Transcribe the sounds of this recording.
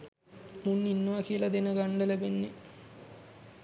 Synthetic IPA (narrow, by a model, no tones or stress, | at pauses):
munːinːəʋakijəlad̪enəɡaɳɖəlæbenːe